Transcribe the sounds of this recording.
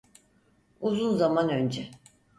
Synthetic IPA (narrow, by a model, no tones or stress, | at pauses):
uzunzamanø̞nd͡ʒɛ